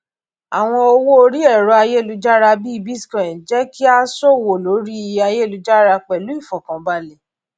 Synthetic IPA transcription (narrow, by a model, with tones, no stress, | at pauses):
a˨w̃ɔ̃˧o˧wo˦o˧ɾi˦ɛ˦˨ɾɔ˧a˧je˦˨lu˨˧d͡ʒa˦ɾa˧bi˦i˦˧bi˦skɔ˨ĩ˨d͡ʒɛ˦ki˦a˦sɔ˦˨wo˨lo˨˦ɾi˦˧˦a˧je˦lu˨˧d͡ʒa˦ɾa˧k͡pɛ˨lu˨˦i˦˨fɔ˨kã˨ba˧lɛ˨